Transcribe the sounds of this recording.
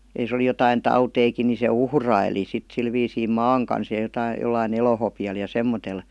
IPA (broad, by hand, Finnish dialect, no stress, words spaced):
jɑ jos oli jotɑin tɑuteikin ni se uhrɑili sit sil ʋiːsiː mɑːŋ kɑns jɑ jotɑi jolːɑin elohopiɑl jɑ semːotel